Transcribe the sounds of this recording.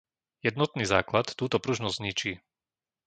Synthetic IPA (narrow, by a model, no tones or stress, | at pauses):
jɛd̪nɔt̪̚niːzaːklat̪ːuːt̪ɔpɾuʒnɔzʲzɲit͡ʃiː